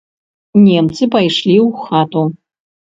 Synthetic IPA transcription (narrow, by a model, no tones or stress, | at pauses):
nʲɛmt̪sɨpajʂlʲiwxat̪u